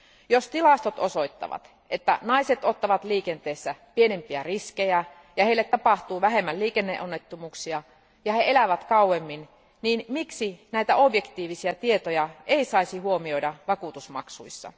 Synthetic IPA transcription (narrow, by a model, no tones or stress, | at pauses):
jost̪ilɑst̪ot̪oso̞ijt̪ːɑ̰ʋɑ̰t̪ | ʔet̪ːæ̰nɑiset̪o̞t̪ːɑʋɑt̪liːkent̪eːsːæpienempiæriskejæ | jɑheilːet̪tɑpɑht̪uːʋæɦe̞mːælliːkenːḛʔonːet̪ːumuːksiɑ | jɑheelæʋæt̪kɑuwemːin | niːnmiksinæijt̪æobje̞kt̪iːʋisiɑt̪ie̞t̪ojɑe̞isɑisihuomio̞idɑʋɑkut̪usmɑ̰ksuisːɑ̰